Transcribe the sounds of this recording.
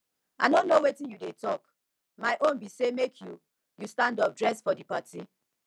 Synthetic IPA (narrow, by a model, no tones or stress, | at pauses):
a̰nõnːowetĩnjudetɔk | maɪʔõnbisemekʰju | justãndɔp̚dɹɛsfɔdipati